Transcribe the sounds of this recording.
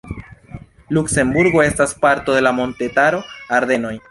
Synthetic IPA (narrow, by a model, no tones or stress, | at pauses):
lukse̞mbuɾɡo̞e̞staspaɾto̞d̪e̞lamo̞nte̞taɾo̞aɾd̪e̞no̞j